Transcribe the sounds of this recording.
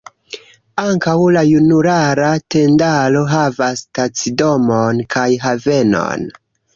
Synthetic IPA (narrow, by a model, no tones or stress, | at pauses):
aŋkawlajunuɾaɾate̞ndalo̞ɦavastat͡sido̞monkʰajɦave̞no̞̰n